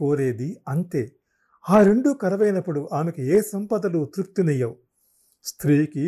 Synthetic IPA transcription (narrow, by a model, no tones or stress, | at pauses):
o̞ːɾe̞ːd̪iɐnt̪e̞ː | aːɾe̞ɳɖukɐɾɐʋɐjnɐpːuɽuʔaːmɐkieːsɐmpɐd̪ɐlut̪ɾup̚t̪inɐjːɐwu | st̪ʰɾiːki